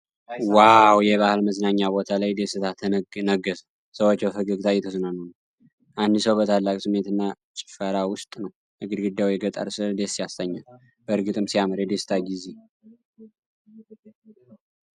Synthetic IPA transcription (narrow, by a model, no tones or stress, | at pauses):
wawjɛβahɨlməznaɲːabo̞t̪ʰalajd̪esɨt̪ʰat̪ʰənəɡəs | səwot͡ʃːbəfəɡəɡt̪ʰajɛt̪ʰosɨnanonəw | ʔand̪ɨsəwbət̪ʰalːakʼsɨmet̪ɨnːa | t͡ʃʼɪ̥fəɾawʊst̪ʼnəw | ʔɨɡɨd̪ɡɨd̪awjɛɡət̪ʼə̰ɾsɨld̪esːijast̪ʰəɲːa̰l | bəɨɾɡɨt̪ʼɨmsijaməɾjɛd̪esɨ̥t̪ʰaɡize̞